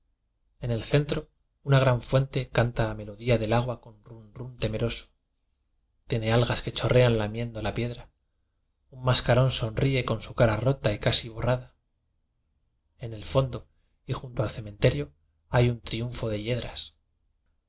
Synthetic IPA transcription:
e̞ne̞lθe̞nt̪ɾo̞ | unaɣɾaɱfwe̞nt̪e̞kant̪alame̞lo̞ðiaðe̞laɣ̞wako̞nrunrunt̪e̞me̞ɾo̞so̥ | t̪jene̞alɣaske̞t͡ʃo̞rʔe̞anlamje̞nd̪olapje̞ðɾa | ummaskaɾo̞nso̞nrie̞ko̞nsukaɾaro̞t̪aikasiβ̞o̞raða | e̞ne̞lfo̞nd̪o̞ | ixunt̪oalθe̞mẽ̞nt̪e̞ɾjo̞ | ajunt̪ɾiuɱfo̞ðe̞ʎe̞ðɾas

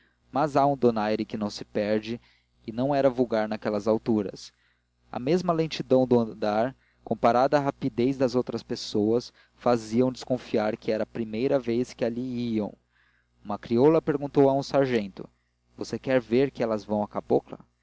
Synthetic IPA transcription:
mɐzaũd̪onajɾɪkɪnɐ̃w̃sɪpɛɾd͡ʒɪː | nɐ̃w̃ɛɾɐvuɡaɾnɐkɛlɐzawt̪uɾɐ̰s | ɐ̰mezmɐlẽt͡ʃid̪ɐ̃w̃d̪ʊɐ̃d̪aɾ | kõpaɾad̪ɐɦapid̪ejzd̪ɐzowt̪ɾɐspesowɐs | faziɐ̃w̃d͡ʒɪskõfiaɾkʰɪɛɾɐːpɾimejɾɐveskɪaliiɐ̃w̃ | umɐkɾiolɐpeɾɡũnt̪owɐũsaɾʒẽnt̪ʊ | vosekɛɾveɾkɪɛlɐzvɐ̃w̃ɐkaboklɐ̰

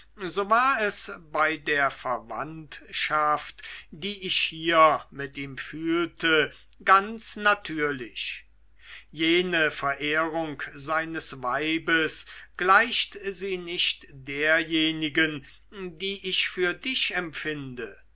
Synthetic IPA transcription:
zoːvaːɐɛsbaɪdeːɐfɛɐva̰ntʃaftd̥iːʔɪçhiːɐmɪtʔiːmfyːltʰə | ɡ̥ant͡snatʰyːɐlɪç | jeːnəfɛɐʔeːʁʊŋkzaɪnəsvaɪbəsɡ̥laɪʃtziːnɪçtd̥eːɐjeːnɪɡən | diːʔɪçfyːɐdɪçɛmpfɪndə

